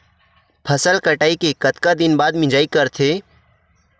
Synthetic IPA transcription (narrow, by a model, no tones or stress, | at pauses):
pʰəsəlkəʈaːikekət̪kad̪ɪnbaːd̪mɪ̃d͡ʒaːikəɾt̪ʰeː